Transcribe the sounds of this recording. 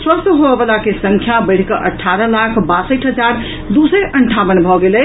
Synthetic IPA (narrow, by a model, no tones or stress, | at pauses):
swəst̪ɦoebəlakesəŋkʰjabəɽ̤kəʔəʈʰːaɾəlakʰbasəʈɦəd͡ʒaɾ | d̪usəʔəɳʈʰabənbʱɔɡelɛ